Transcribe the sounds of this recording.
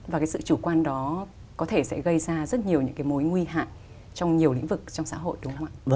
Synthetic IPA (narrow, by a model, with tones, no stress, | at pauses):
vaː˨˩kaː˨˦sɨ̰˧˨t͡ɕu˧˩kwaː˧nɗɔ˨˦ | kɔ˨˦t̪ʰe˧˩sɛ̰˧˥ɣə˧jzaː˧zə˦˥t̚ɲi˨˩əwɲɨ̰˧˥ŋkaː˨˦jmo˨˦jŋwi˧ɦa̰ː˧˨j | t͡ɕɔ˧wŋ͡mɲi˨˩əwlḭ˧˥ŋ̟vɨ˨˩k̚t͡ɕɔ˧wŋ͡msa̰ː˧˥ɦo̰˧˨jɗʊ˨˦ŋ͡ma̰ː˧˨